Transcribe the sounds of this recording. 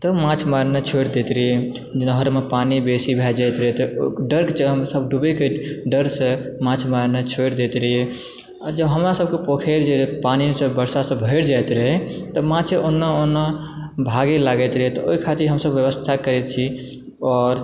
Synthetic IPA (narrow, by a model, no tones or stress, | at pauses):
t̪ɔmãt͡ʃʰmaɾnet͡ʃʰojɾd̪et̪ɾəɦe | nəɦəɾmepanibesibʱɛd͡ʒajt̪ɾəɦet̪ɔɖəɾkt͡ʃʰɦmsəbɖubekeɖəɾsə̃mãt͡ʃʰmaɾnet͡ʃʰoɾd̪et̪ɾəɦe | d͡ʒəbɦəmɾasəb̚kepokʰeɾd͡ʒepanisə̃bəɾsasə̃bʱəɪɾd͡ʒajt̪ɾəɦet̪ɔmãt͡ʃʰeʔonːəonːəbʱaɡelaɡɛt̪ɾəɦɛt̪ɔoɦikʰat̪iɾɦəmsəbːjəbəst̪ʰakəɾɛt̪t͡ʃʰi | ɔːɾ